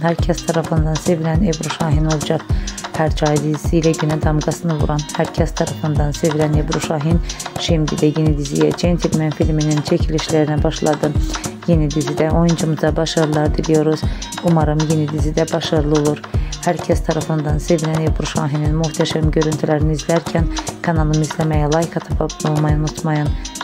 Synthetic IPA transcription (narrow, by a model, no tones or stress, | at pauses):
hæɾcʰæst̪ʰɑɾɑfɯnd̪ɑnse̞vilænebɾuʃɑːɦinolˠd͡ʒɑkhæɾd͡ʒɑːid̪izisiːlæɟynæd̪ɑmɡɑsɯnɯvṵɾɑnhæɾcʰæst̪ʰɑɾɑfɯnd̪ɑnse̞vilænebɾuʃɑɦinʃimd̪ḭd̪æjenid̪izijæt͡ʃʰent̪ʰilminfilminint͡ʃʰæcʰiliʃlæɾinæbɑʃlˠɑd̪ɯje̞nid̪izid̪æʔo̞jund͡ʒumuzd̪ɑbɑʃɯɾlˠɑɾɯd̪ilʲijo̞ɾuz̥umɑɾɯmjenid̪izid̪æbɑʃɯɾlˠɯo̞lˠuɾhæɾcʰæst̪ʰɑɾɑfɯnd̪ɑnse̞vilænebɾuʃɑ̰ːɦininmuxt̪ʰæʃæmɟø̞ɾynt̪ʰylæɾinizlʲæɾcʰænkʰɑnɑlˠɯmizlæmæjɛlˠɑjixɑt̪ʰɑpʰɑbd̪olˠmɑjunut̪ʰmɑjɑn